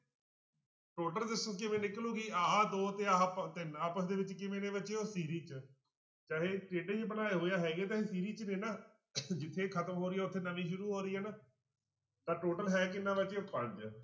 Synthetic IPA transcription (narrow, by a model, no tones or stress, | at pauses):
ʈoːʈəld̪ɪsõːkɪmẽːnɪklũːɡiːaːd̪oːt̪eːaːpt̪ɪnaːpəsd̪eːʋɪt͡ʃkɪmẽːnẽːbət͡ʃeːoːsiːɾiːt͡ʃ | t͡ʃaːɦeːʈeːɖet͡ʃːbənaːeːɦoːjaːɦɛːɡeːt̪̬aːɦeːsiːɾiːt͡ʃnẽːnaː | d͡ʒɪt̪ʰːeːkʰət̪əmɦoːɾiːɛːʊt̪ʰːeːnəʋĩːʃʊɾuːɦoːɾiːɛːnaː | t̪ãːʈoːʈəlɦɛːkɪnːãːbət͡ʃeːopəɳd͡ʒ